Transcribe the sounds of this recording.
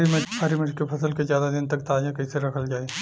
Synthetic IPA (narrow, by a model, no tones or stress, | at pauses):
imeʈpʰaːɾimɪʈkepʰɐsəlkezjaːd̪ad̪ɪnt̪ɐkt̪aːd͡ʒakɐɪseɾɐkʰəld͡ʒaːe